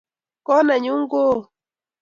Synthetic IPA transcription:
kɔ˦na˨ɲu˦ŋ˦ɡo˦

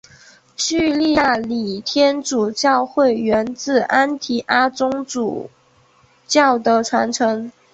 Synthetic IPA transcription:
ɕy˥˧li˥˧ja˥˩li˨˩t̪ʰjɛ˥nʈ͡ʂu˨˩t͡ɕjɑ˥˧ʊxwe˥˩ɪɥɛ˧˥nt͡sɹ̩˥˩ʔa˥nt̪ʰi˨˩ʔa˥t͡sʊ˥ŋʈ͡ʂṵ˨˩ | t͡ɕjɑ˥˩ʊd̪ə˧˦ʈ͡ʂʰwa˧˥nʈ͡ʂʰɤ˧˥ŋ

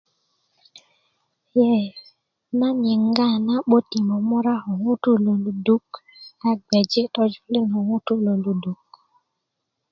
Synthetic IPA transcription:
jɛ˦ | na˦ɲɪ˨ŋ˦ɡa˦˨na˦ɓo˦ti˨mo˨mɔ˦ɾa˦ɔ˨ŋu˦tu˦lo˨lu˨du˦ka˦ɡ͡bɛ˨d͡ʒe˦tɔ˦d͡ʒli˦nɔ˨ŋu˦tu˦lo˨lu˨du˨k̚

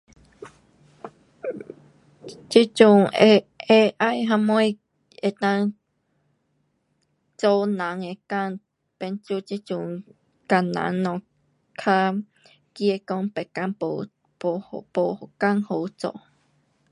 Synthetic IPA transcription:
t͡ʃi˦t͡ʃu˨ŋee˦ʔa˦jɦã˧mõ˦j | e˧˨t̪ã˧ŋ | t͡so˦nã˨˦ŋe˨ka˧ŋ | pe˧nt͡ʃu˦t͡ʃi˧t͡ʃu˨ŋ | ka˨nã̰˨˦ŋnɔ̃˨ | kʰa˦ | ki˦e˧ko˧ŋpe˨ka˧˦npo˨ | po˨po˨ka˦ŋho˨˦t͡so̰˧˨

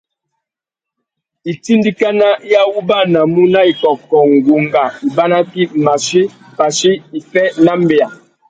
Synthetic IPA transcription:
i˨ti˦ndi˦ka˦na˦ja˦wu˦ba˦na˨mu˦na˦i˨kɔ˨kɔ˨ŋɡo˨ŋɡa˨i˨ba˦na˦ki˦ma˨ʃe˦ | pa˨ʃe˦i˨fɛ˦na˦mbe˨a˨

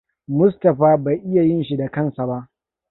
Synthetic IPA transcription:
mʊ˦stɐ˨ɸaː˦ba˨jʔɪ˦ja˨jɪ˦nʃi˦da˨kɐ˦˨nsa˨ba˦ʔ

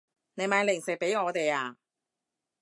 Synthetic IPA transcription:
ne˨˧jmaː˨˧jlɪ˨˩ŋsɪ˨k̚pe˨˥jŋɔː˨˧t̪e˨jaː˧˩

